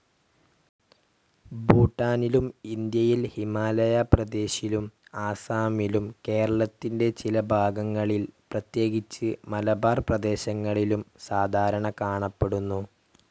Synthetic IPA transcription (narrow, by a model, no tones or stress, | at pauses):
buːʈːaːnilumind̪jɐjilhimaːlɐjɐprɐd̪e̞ːɕilumaːsaːmilumke̞ːɾɐɭɐt̪ːinde̞t͡ɕilɐbʱaːɡɐŋːɐɭilprɐt̪je̞ːɡit͡ɕːɨmɐlɐbaːrprɐd̪e̞ːɕɐŋːɐɭilumsaːd̪ʱaːɾɐɳɐkaːɳɐpːe̞ɽunːu